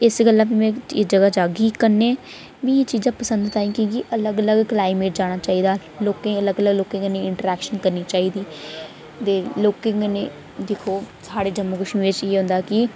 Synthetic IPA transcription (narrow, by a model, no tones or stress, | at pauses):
ɪsɡəlːãːpimɛ̃ːt͡ʃːd͡ʒəɡaːd͡ʒaːɡikəɾnẽː | ʋiːt͡ʃiːzãːpəsənd̪t̪aːĩːkiɡiʔələɡələɡklaːɪmeːʈ̚d͡ʒaːɽ̃aːt͡ʃaːiːd̪aː | loːkẽːələɡələɡloːkẽːŋɡənẽːɪɳʈəɾɛːkʃənkəɾniːt͡ʃaːiːd̪iː | t̪eːloːkẽŋɡneː | d̪eːkʰoː | saːɽeːd͡ʒəmoːkəʃmĩːʋet͡ʃeːɦʊ̃nd̪aːkɪ